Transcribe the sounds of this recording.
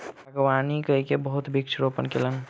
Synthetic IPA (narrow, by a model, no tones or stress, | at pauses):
aɡwanikəɦikebəɦut̪bʱik̚t͡ʃʰɾopənkelən